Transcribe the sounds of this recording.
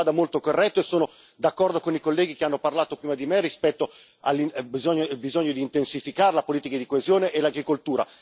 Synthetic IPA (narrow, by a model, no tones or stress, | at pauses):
aːd̪amolt̪okorːɛt̪ːoesːoːno | d̪akːɔrd̪okonikolːɛːɡikeanːoparlaːt̪opɾiːmad̪imerːispɛt̪ːo | a̰lːibizɔɲːobizoɲːod̪iːnt̪ensifikaːɾelapoliːt̪ikad̪ikoezjoːneʔelaɡɾikolt̪uːɾa̰